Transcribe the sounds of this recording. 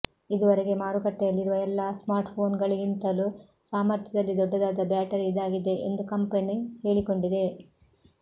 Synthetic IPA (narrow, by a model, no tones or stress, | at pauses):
id̪uʋɐɾeɡe̞maːɾukɐʈːɛjɐlːiɾuʋɐɛlːasmaːɾʈpʰo̞ːnɡɐɭiɡint̪ɐlusaːmɐɾt̪ʰjɐd̪ɐlːid̪ɔɖːɐd̪aːd̪ɐbaːʈɐɾid̪aːɡid̪e̞ḛnd̪ukɐmpɐnihe̞ːɭiko̞ɳɖid̪e̞